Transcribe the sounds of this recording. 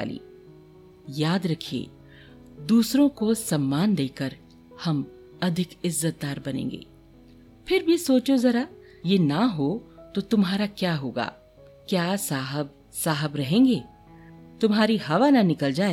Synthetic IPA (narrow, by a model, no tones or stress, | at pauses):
a̰ːlḭː | jaːd̪ɾɐkʰiḛː | d̪uːsɾõkosɐmːaːnd̪eːkəɾ | hɐm | ɐd̪ʱɪkɪzːət̪̚d̪aːɾbɐnḛ̃ːŋɡḛː | pʰɪɾbʱisoːt͡ʃozɐɾa | jeːnaɦot̪ot̪ʊmɦaːɾakjaːɦoːɡa̰ː | kjaːsaːɦəb̚ | saːɦəbɾɐɦẽːŋɡeː | t̪ʊmɦaːɾiɦɐʋananɪkəld͡ʒaːe